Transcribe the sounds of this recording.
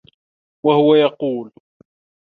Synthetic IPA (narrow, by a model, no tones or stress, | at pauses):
wahʊwajɑquːl